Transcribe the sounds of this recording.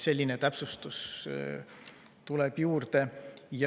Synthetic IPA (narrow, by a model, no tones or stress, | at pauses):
se̞lʲːinet̪æpsust̪us | t̪ulɛb̥juːrd̪e̞j